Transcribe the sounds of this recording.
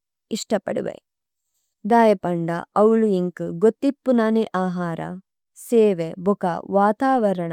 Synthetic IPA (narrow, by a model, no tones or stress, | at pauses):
iʂʈɐpɐ̰ɽṵʋḛ | d̪aːjɐpɐɳɖɐ̰ɐwuɭuiŋkɨɡot̪ːipːunaːniʔaːɦaːɾɐ̰ | seːʋebʱukɐʋaːt̪aːʋɐɾɐɳɐ